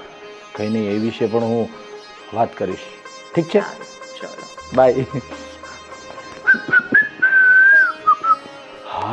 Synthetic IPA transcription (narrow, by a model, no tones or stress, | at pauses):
kəinəĩeʋiʃepəɳɦũ | ʋat̪kəɾiʃ | ʈʰik̚t͡ʃʰet͡ʃa̰lobʱaj | ha